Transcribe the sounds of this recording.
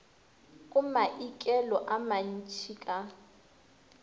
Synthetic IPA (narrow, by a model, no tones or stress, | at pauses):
kʼʊmaʔikʼɛlɔʔaman̩t͡ʃʰikʼa